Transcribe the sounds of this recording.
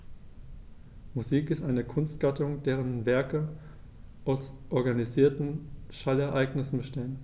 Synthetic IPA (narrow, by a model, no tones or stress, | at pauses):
muziːkɪstʔaɪnəkʰʊnstɡ̥atʊŋd̥eːʁənvɛɐkə | ʔaʊsʔɔɐɡaniziːɐtn̩ʃalɛɐʔaɪɡnɪsn̩bəʃteːən